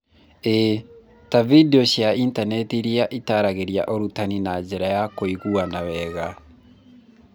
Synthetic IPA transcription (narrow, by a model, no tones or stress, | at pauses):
e | tavideɔɕjaintanɛtiɾiaʔitaɾaɣeɾia̰ʔoɾutaninad͡ʒɛɾajakoiɣuanawɛːɣa